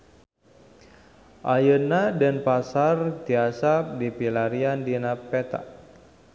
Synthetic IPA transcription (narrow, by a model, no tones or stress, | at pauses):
ʔajənadənpasart̪iasap̚dipilaɾiandinapɛt̪a̰ʔ